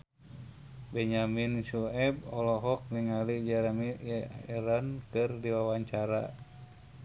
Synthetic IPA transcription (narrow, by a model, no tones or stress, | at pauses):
bɛɲaminsuɛb̚ɔlɔɦɔk̚niŋalid͡ʒɛɾmiɛɾankɨrdiwawaɲt͡ʃaɾa̰